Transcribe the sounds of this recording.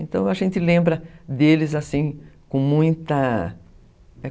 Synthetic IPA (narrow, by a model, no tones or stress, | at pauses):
ẽnt̪ɐ̃w̃aʒẽnt̪ɪlẽmbɾɐd̪elɪzasĩkõmũj̃t̪ɐ | ɛ